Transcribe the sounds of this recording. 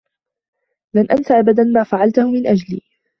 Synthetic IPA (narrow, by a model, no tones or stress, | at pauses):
lanʔansaʔabad̪anmaːfaʕalt̪ahʊmɪnʔad͡ʒlḭː